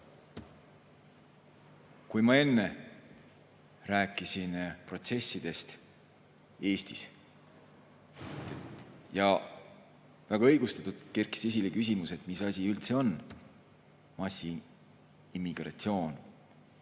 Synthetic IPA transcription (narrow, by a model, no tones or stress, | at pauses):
kujmɑe̞nːe̞ | ræːkːˑisinpro̞t̪se̞sʲːid̪̥e̞st̪ | e̞ːst̪is | jɑ | væɡ̥ɑɤjɡ̥ust̪ɑt̪ud̪̥kerki̥se̞s̬ilekys̬ʲimuse̞t̪ˑmisɑsʲiylt̪se̞o̞n | mɑsi | imːiɡ̥rɑ̰t̪sio̞ːn